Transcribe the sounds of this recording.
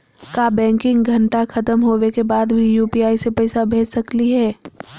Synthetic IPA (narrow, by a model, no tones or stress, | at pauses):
kaːbɛ̃ːŋkɪ̃ŋɡɡʱɐ̃ɳʈaxɐt̪əmɦoːwekebaːd̪bʱijuːpiaːisepɛːsabʱeːt͡ʃsɐkliɦɛː